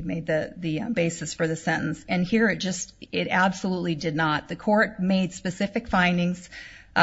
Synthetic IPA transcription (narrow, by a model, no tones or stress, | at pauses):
meɪd̪̚ðɨðɨbeɪsɨsfə˞ðɨsɛ̃ɾ̃ʔn̩sɨ̃nhiɹɨt̚d̥ʒ̥ʌstɪɾæb̥səlutˡlidɨdⁿnət̪̚ðɨkʰɔɹt̚meɪd̥spɨsɪfɨkfãɪ̃ndɪ̃ŋz̥